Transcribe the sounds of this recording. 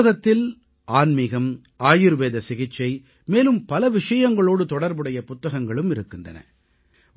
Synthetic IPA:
ɐɣɐt̪ːɪl | aːnmɪɣɐm | aːjɪɾʋeːðɐsɪɣɪʈt͡ʃːɐɪ | meːlɯmpɐlɐʋɪʂɐjɐŋɡɐɭoːɽɯt̪ɔɽɐɾbɯɽɐjɐpʊt̪ːɐɣɐŋɡɐɭɯmɪɾɯkːɪndɐ̰nɐ̰

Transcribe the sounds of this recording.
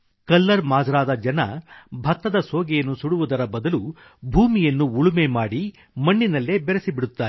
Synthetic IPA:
kɐlːɐɾmaːd͡ʒɐɾaːd̪ɐd͡ʒɐnɐ̰bʱɐt̪ːɐd̪ɐsoːɡɛjɐnːusuɽuʋud̪ɐɾɐbɐd̪ɐlu | bʱuːmijɐnːuuɭumemaːɽi | mɐɳːinɐlːebɛɾesibiɽut̪ːaːɾ

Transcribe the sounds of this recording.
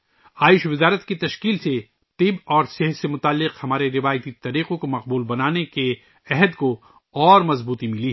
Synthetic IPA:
aːɪʃʋɪzaːɾət̪kit̪ɐʃkiːlse | t̪ɪbɔːɾsɪɦsemʊt̪aːlːɪqhɐmaːɾeɾɪʋaːjt̪it̪ɐɾiːqõkomɐq̚buːlbɐnaːneke | ɛɦəd̪ko | ɔːɾmɐzbuːt̪imɪliː

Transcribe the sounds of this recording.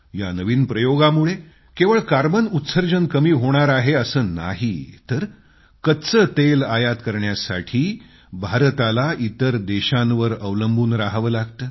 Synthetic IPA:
ja̰nəʋiːnpɾəjoɡamuɭe | keʋəɭkaɾbənut̪səɾd͡ʑənkəmiːɦoɽ̃aɾaɦeəsəːna̰ɦit̪əɾ | kət̪t͡sət̪elajat̪kəɾɳjasa̰ʈʰiː | bʱaɾt̪alaʔit̪əɾd̪eɕãnʋəɾəʋləmbʱuːnɾaɦʋəlaɡt̪əː

